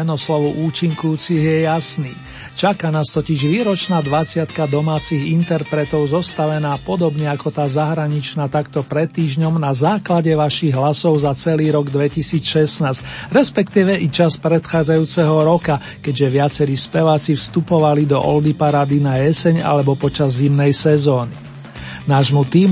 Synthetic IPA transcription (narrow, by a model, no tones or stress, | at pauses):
ɛnɔslɔʋuʔuːt͡ʃiŋkujuːt͡siɣjɛjasniː | t͡ʃakanaːst̪ɔciʒʋiːɾɔt͡ʃnaːd̪ʋat͡sɪat̪kad̪ɔmaːt͡siɣint̪ɛɾpɾɛt̪ɔʊzɔst̪aʋɛnaːpɔd̪ɔbɲɛakɔt̪aːzaɦɾaɲit͡ʃnaːt̪akt̪ɔpɾɛt̪ːiːʒɲɔmnazaːklaɟɛʋaʃiɣɦlasɔʊzat͡sɛliːɾɔɡd̪ʋɛcisiːt͡sʃɛsnaːscɾɛspɛkt̪iːʋɛʔit͡ʃaspɾɛt̪xaːd͡zajuːt͡sɛɦɔɾɔka | kɛɟʒɛʋɪat͡sɛɾiːspɛʋaːt͡sifst̪upɔʋalid̪ɔʔɔld̪ipaɾaːd̪inaɛsɛɲa̰lɛbɔpɔt͡ʃazːimnɛjsɛzɔːni | naːʒmut̪iːm